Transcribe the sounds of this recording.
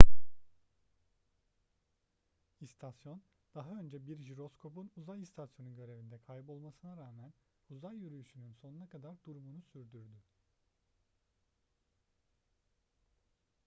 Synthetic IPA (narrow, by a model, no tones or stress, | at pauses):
ist̪ʰasjo̞n | d̪̥aɦaø̞nd͡ʒɛbiɾʒiɾo̞skʰo̞punuzajist̪ʰasjo̞nunɟø̞ɾe̞vind̪ɛkʰajbo̞lˠmasɯnaɾaːmæn | uzajːyɾyjyʃynynso̞nunakʰad̪aɾd̪uɾumunusyɾd̪yɾd̪y